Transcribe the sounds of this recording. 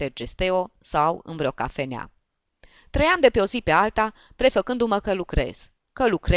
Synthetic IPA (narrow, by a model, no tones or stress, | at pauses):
erd͡ʒest̪e̞o̞sawɨ̰nvɾeo̞ka̰fe̞nea̰ | t̪ɾəjamd̪e̞peo̞zipe̞alt̪a | pɾe̞fəkɨnd̪uməkəlukɾe̞̰z̥ | kəlukɾe